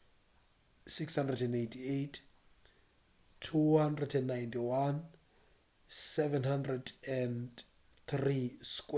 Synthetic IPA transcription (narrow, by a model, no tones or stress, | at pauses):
sikshãndrɛdɛ̃nejntʰiejtʰ | tʰuhandrɛdɛ̃nːajntiwan | sɛvɛ̃nhandrɛdɛn | θriskwɛ